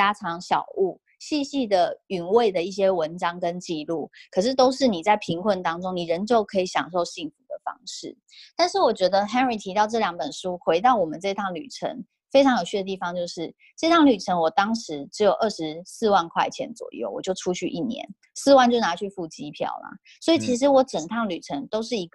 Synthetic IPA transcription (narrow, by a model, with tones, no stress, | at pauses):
t͡ɕja˥ʈ͡ʂʰɑ˧˦˥ŋɕjɑ̰˨˩ʊu˥˩ | ɕi˥˧ɕi˥˩d̪ə˩y˨˩nwe˥˩ɪd̪ə˩i˥˩ɕ̬jɛ˥wə˧˦nʈ͡ʂɑ˥ŋkə˦˥nt͡ɕi˥˧lu˥˩kʰɤ˨˩ʂ̬ɻ̩˥˩t̪o˥ʊʂɻ̩˥˩ni˨˩t͡sa˥˩ɪpʰi˧˥ŋkʰwə˥˩nt̪ɑ˥ŋʈ͡ʂʊ˥ŋni˨˩ɻə˧˦nt͡ɕjo˥˩ʊkʰɤ˧˥i˧˥ɕjɑ̰˨˩ŋʂo˥˧ʊɕi˥˩ŋfu˧˥d̪ə˨fɑ̰˥ŋʂɻ̩˥˩ | t̪a˥˧nʂɻ̩˥˩wɔ˨˩t͡ɕɥɛ˧˥d̪ə˧ɦɛ˥nɻi˨˩t̪ʰi˧˥t̪ɑ˥˧ʊʈ͡ʂɤ˥˩ljɑ˧˥ŋpə˨˩nʂu˥xwe˧˥ɪt̪ɑ˥˩ʊwɔ˨˩mə˨˦nʈ͡ʂɤ˥˧i˥t̪ʰɑ˥˩ŋly̰˨˩ʈ͡ʂʰə̰˧˥ŋ | fe˥ɪʈ͡ʂʰɑ˧˥ŋjo˨ʊɕʰy˥˩ə˩t̪i˥˩fɑ˧ŋt͡ɕjo˥˧ʊʂɻ̩˥˩ | ʈ͡ʂɤ˥˧i˧tʰɑ˥˩ŋly˨˩ʈ͡ʂʰə˧˥nwɔ˨˩t̪ɑ˥ŋʂɻ̩˧˦ʈ͡ʂɻ̩˧˥jo˨˩ʊʔə˥˩ʂɻ̩˧˦sɹ̩˥˧wa˥˧nkʰwa̰˥˩ɪt͡ɕʰjɛ̰˧˥nt͡swɔ̰˨˩jo̰˥˩ʊwɔ˨˩t͡ɕjo˥˩ʊʈ͡ʂʰu˥t͡ɕʰy˥˧ʔḭ˥˩njɛ̰˧˦n | s̩˥˧wa˥˧nt͡ɕjo˥˩na˧˥t͡ɕʰy˥˧fu˥˩t͡ɕi˥pʰjɑ̰˥˩ʊlɐ̰˨˩ | swɔ˧˥i˨t͡ɕʰi˧˥ʂ̬ɻ̩˧˥wɔ˧˥ʈ͡ʂə˨˩ŋt̪ʰɑ˥˩ŋly˨˩ʈ͡ʂʰə˧˥ŋt̪o˥ʊʂɻ̩˥˩i˧˥